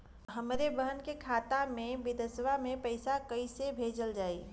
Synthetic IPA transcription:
ɦəmɾebəɦənkekʰaːt̪amẽbid̪əsʋamẽpəɪsakəisebʱeːd͡ʒəld͡ʒaːi

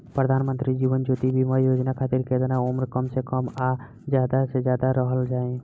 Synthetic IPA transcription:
pɾəd̪ʱaːnmənt̪ɾid͡ʒiːʋənd͡ʒoːt̪ibʱimajoːd͡ʒnakʰaːt̪iɾked̪ənaomɾkəmsekəma | d͡ʒjaːd̪ased͡ʒjaːd̪aɾəɦəld͡ʒaːẽ

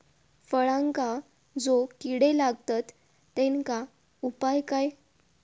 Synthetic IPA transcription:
fəɭãŋka | d͡zokiɽelaɡt̪at̪ː | ẽŋka | upajkaj

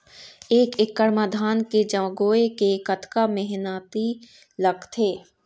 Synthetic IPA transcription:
eːkɪkːəɾmad̪ʱaːnked͡ʒəɡoːekekɐt̪kamɛɦnaːt̪i | ləɡt̪ʰeː

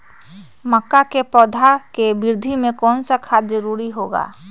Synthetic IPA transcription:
məkːakepɔːd̪ʱakebɪɾd̪ʱimẽkɔːnsakʰad̪əɾuːɾiɦoːɡa̰ː

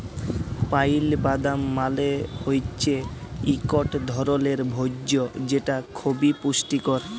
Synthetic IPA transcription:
pajlbad̪amːalehojt͡ɕʰeikoʈd̪ʱɔɾoleɾbʱoːod͡ʑeʈakʰobipuʃʈikɔɾ

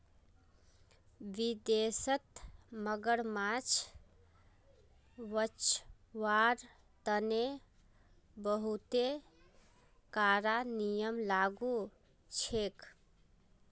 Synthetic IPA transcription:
ʋid̪esət̪məɡəɽmat͡ʃʰ | ʋət͡ʃʰ | ʋaɾ | t̪əne | bəɦut̪e | kaɾanijəmlaɡu | t͡ʃʰek

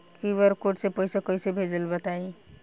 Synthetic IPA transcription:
kiʋəɾkoʈsepoisekosebʱeːd͡ʒəlbət̪ai

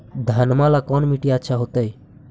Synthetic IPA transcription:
d̪ʱənmalakɔnmiʈiaətːʃʰaɦot̪əj

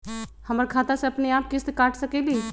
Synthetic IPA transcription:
həməɾkʰat̪asẽəpneap̚kist̪kaʈʰsəkɛli

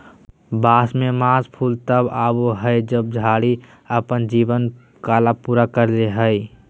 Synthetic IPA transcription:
baːsmemaːspʰuːlt̪əbaːboɦəjd͡ʒəb̚d͡ʒʱaːɽi | əpənd͡ʒiːbən | kaːlapuːɾakəɾleɦəi

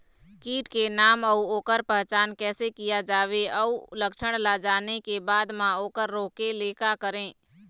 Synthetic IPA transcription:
kiːʈkenaːməuoːkəɾpəɦt͡ʃaːnkɛːsekijad͡ʒaːʋeəuləkʃəɽ̃lad͡ʒaːnekebaːd̪mãoːkəɾːoːkeleːkakəɾẽː

